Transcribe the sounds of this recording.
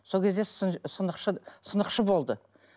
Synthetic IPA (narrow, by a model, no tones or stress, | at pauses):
sokʲe̞zd̪e̞ssənəqʃəsənəqʃəbo̞lˠd̪ə